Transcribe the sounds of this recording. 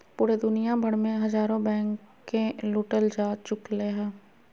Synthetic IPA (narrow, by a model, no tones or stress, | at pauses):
puːɾed̪ʊnijabʱɐɽmẽɦɐzaːɾõbɛ̃ːŋkkː | elʊːʈəld͡ʒaːt͡ʃʊkleɦɛ̃ː